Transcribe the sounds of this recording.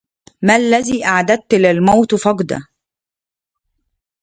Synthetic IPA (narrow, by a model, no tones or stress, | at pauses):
mælːæziːʔaʕad̪ad̪̚ːlɪlmawt̪fɑɡd̪a̰